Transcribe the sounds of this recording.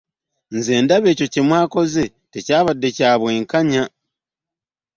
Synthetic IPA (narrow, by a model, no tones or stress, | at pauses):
nzeːndaβe̞ːco̞cimwaːko̞ze | tecaːβadːe̞caːβwe̞ːŋkaɲa